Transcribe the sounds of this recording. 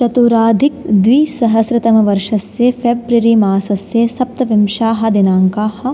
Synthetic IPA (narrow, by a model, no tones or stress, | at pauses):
t͡ʃɐt̪uːɾaːd̪ʱikd̪ʋiːsɐɦɐsɾɪt̪ɐmɐʋɐɾʂɐsjepʰeːbɾɐɾiːmaːsɐsjesɐp̚t̪ɐʋɐmʃaːɦɐ̆d̪inaːŋkaːhɐ̆